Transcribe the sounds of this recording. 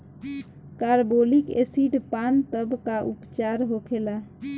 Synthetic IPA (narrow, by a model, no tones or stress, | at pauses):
kaɾbolikḛsiɖpant̪əbkaʔṵpt͡ʃaɾɦokʰela